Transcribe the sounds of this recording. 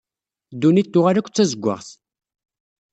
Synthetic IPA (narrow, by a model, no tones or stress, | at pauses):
d̪ːunit̪ːʊʁaɾækʷːt͡sːæzəɡʷːə̰ʁθ